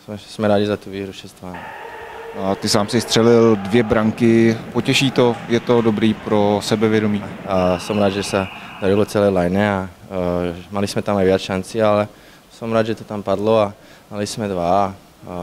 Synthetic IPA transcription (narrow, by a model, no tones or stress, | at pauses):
smɛsmɛɾaːɟizat̪uʋiːɦɾuʃɛst̪ʋan | t̪ɪsaːmsɪst̪r̝̥ɛlɪldvjɛbɾaŋkɪpocɛʃiːt̪ojɛt̪odobɾiːpɾosɛbɛvjɛdomiːsomɾaːd̪ʒɛsad̪aɾɪlot͡sɛlɛːlajnɛa | malɪsmɛt̪amajʋjat͡sʃant͡sɪalɛ | somɾaːd̪ʒɛt̪ot̪ampad̪loa | malɪsmɛd̪ʋa